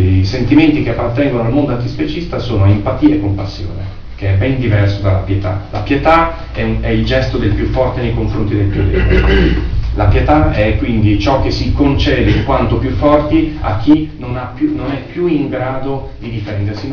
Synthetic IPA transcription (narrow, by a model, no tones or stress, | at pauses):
jsent̪iment̪ik̟eapːart̪ɛŋɡonoalmond̪oant̪ispet͡ʃist̪asoːnoempat̪iːaekːompasːjo̰ːnḛ | k̟eɛbɛnd̪ivɛrsod̪alapjet̪a̰la̰pjet̪a | ɛɛild͡ʒɛst̪od̪elpjufːɔrt̪enejkoɱfɾont̪id̪elpjod̪ḛ | lapjet̪aɛkːwind̪it͡ʃɔk̟ːesːikont͡ʃɛːd̪eikwant̪opjufːɔrt̪ia̰k̟ʰːinonapːjunonɛpːjuiŋɡɾaːd̪o | d̪id̪ifɛnd̪ersi